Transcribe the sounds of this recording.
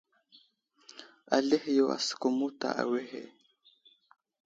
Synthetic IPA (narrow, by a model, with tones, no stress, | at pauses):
a˨le˦hjo˨a̰˨sko˨mu˦ta̰˨ʔa̰˨we˦hḛ˨